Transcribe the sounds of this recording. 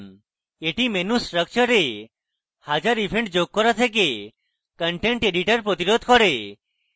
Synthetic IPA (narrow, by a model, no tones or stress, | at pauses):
n | eʈimenusʈɾək̚t͡ʃəɾe | had͡ʒaɾipʰeɳʈd͡ʒoɡ̚kːɔɾat̪ʰek̬e | kəɳʈeɳʈeɖiʈəɾpɾɔt̪iɾod̪ʱkɔɾe